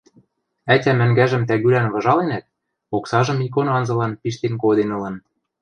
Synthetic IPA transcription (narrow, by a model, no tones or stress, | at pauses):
ætʲæmɘ̆ŋɡæʒɘ̆mt̪æɣylænβɤ̆ʒɑlenæt̪̚ | oksɑʒɤ̆mik̬onɑnzɤ̆lɑnpiʃt̪enkod̪enɤ̆lɤ̆n